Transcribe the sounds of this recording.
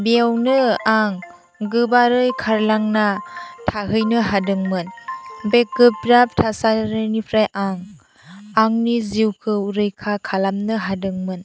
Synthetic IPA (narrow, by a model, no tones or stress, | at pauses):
biawnɯaŋ | ɡɯbaɾɯjkʰaɾlaŋnatʰaɦɯjnɯɦadɯŋmɯnbek̚ɡɯp̚ɾap̚tʰasaɾɯnipʰɾajʔaŋ | aŋniziwkʰɯuɾɯjkʰakʰalamnɯɦadɯŋmɯn